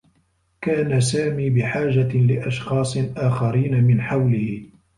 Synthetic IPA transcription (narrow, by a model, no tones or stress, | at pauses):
kaːnasaːmiːbɪħaːʒalɪʔɑʃxɑːsˤɨʔaːxaɾiːnamɪnħawlɪhɪ